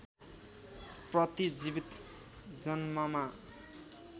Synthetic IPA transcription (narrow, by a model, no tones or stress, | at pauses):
prʌt̪id͡zibit̪ | d͡zʌnmʌma